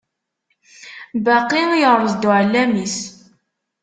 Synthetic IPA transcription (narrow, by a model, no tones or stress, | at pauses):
bɑqːijəʁɾˤəzˤd̪uʕəlːæmis